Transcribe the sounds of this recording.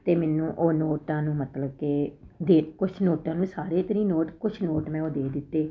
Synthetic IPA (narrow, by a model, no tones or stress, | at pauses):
t̪eːmɛːnũːʔoːnoːʈãːnũːmət̪ləb̚kɪ | d̪eːkʊt͡ʃʰnoːʈãːnũːsaːɾeːt̪əɾĩːnoːʈkʊt͡ʃʰnoːʈmɛ̃ːoːd̪eːd̪ɪt̪ːeː